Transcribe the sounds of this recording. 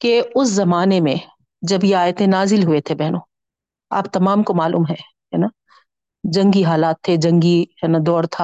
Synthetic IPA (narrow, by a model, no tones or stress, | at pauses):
keʊszɐmaːnemẽ | d͡ʒɐbjeaːet̪ʰenaːzɪlɦuet̪ʰebɛɦnõː | a̰ːp̚t̪ɐmaːmkomaːlṵːmɦɛ̃ | ɦɛːnaː | d͡ʒɐ̃ŋɡiɦaːlaːt̪ʰːed͡ʒɐ̃ŋɡiɦɛːnad̪ɔːɾt̪ʰaː